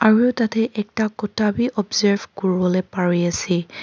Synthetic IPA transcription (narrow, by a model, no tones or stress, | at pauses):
aɹuɛtatɛʔɛk̚takɔtʰabiʔɔbzaɹvkoɹibɔlepaɹijasi